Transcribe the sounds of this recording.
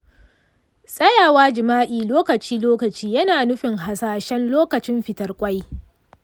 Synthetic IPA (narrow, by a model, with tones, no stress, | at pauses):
sʼɐ˦jaː˨waː˦d͡ʒɪ˨maː˦ʔiː˨loː˦kɐ˨t͡ʃiː˦loː˦kɐ˨t͡ʃiː˦jɐ˦naː˨nʊ˦ɸɪ˨ŋɦa˨saː˨ʃɛ˦nloː˦kɐ˨t͡ʃɪ˦mɸɪ˨tɐ˨rkʷʼa˦j